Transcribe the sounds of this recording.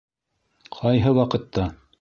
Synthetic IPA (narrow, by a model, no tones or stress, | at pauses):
qʰɑjɦɤwɑqɤ̆t̪ːɑ